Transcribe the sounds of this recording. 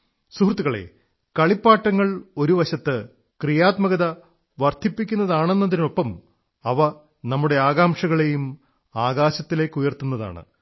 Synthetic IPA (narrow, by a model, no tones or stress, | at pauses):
suhrt̪ːuɣɐɭe̞̰ | kɐɭipːaːʈːɐŋːɐɭo̞ɾuʋɐɕɐt̪ːɨ | krijaːt̪mɐɣɐðɐ | ʋɐrt̪ʰipːikʲːunːɐðaːɳe̞nːɐðinumo̞pːɐm | ɐʋɐ | nɐmːuɽe̞aːɣaːmʂɐɣɐɭe̞jum | aːɣaːɕɐt̪ːile̞ːkːujɐrt̪unːɐða̰ːɳɨ̰